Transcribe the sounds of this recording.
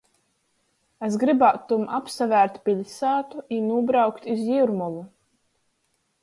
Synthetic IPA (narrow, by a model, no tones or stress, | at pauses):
es̬ɡɾibat̪ːumapsavæːɾt̪pʲiʎʲsaːt̪uʔinuːbɾawkt̪izjiɾmulˠu